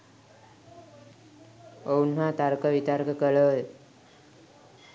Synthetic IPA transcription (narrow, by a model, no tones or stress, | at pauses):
ounɦat̪aɾkəʋit̪aɾkəkəɭəj